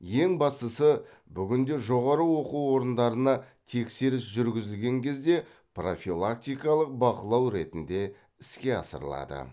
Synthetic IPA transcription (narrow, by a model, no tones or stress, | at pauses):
je̞ŋbɑst̪əsə | bʏɡʲɪnd̪e̞ʒo̞ʁɑɾəwo̞quwwo̞ɾənd̪ɑɾənɑ | t̪ʰe̞kse̞ɾɪsʒʏɾɡʲɪzɪlɡʲe̞ŋkʲʰe̞zd̪e̞ | pro̞filˠakt̪ijkɑlˠəq̚bɑqəlˠɑwɾe̞t̪ɪnd̪e̞ | ɪskʲe̞ɑ̰sə̰ɾlˠɑ̰d̪ə̰